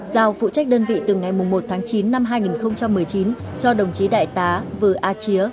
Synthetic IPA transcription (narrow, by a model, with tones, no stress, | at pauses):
zaː˧˩wfṵ˧˨t͡ɕa˦˥k̟̚ɗəː˧nvḭ˧˨t̪ɨ˨˩ŋa˨˩jmʊ˨˩ŋ͡mmo˨˩t̚t̪ʰaː˨˦ŋt͡ɕi˨˦nːa˧mɦaː˧jŋi˨˩nxə˧wŋ͡mt͡ɕa˧mːɨ˨˩əjt͡ɕi˨˦n | t͡ɕɔ˧ɗə˨˩wŋ͡mt͡ɕi˨˦ɗa̰ː˧˨jt̪aː˨˦vɨ˨˩ʔaː˧t͡ɕi˨˦ə